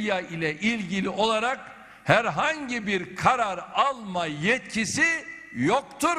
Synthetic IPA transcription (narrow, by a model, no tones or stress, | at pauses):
jailʲɛʔilʲɟilʲio̞lˠaɾak | hæɾɦaɲɟibiɾkʰaɾaɾalˠmajɛt̪̚cʰisi | jokt̪ʰuɾ